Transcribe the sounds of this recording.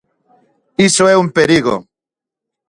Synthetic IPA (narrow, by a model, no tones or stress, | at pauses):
isoeumpeɾiɣo̰